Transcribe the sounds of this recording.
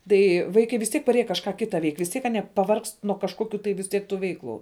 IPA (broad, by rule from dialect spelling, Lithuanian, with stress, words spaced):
ˈtɐɪ ˈʋɐɪkɐɪ ʋʲɪs ˈtʲiɛk pɐˈrʲeːjɛ kɐʃˈkɑː ˈkʲɪtɐ ʋʲɛɪkʲ ʋʲɪs ˈtʲiɛk ɐˈnʲiɛ pɐˈʋɐrkst nuɔ kɐʃˈkoːkʲʊ tɐɪ ʋʲɪs ˈtʲiɛk ˈtuː ˈʋʲɛɪklˠʊ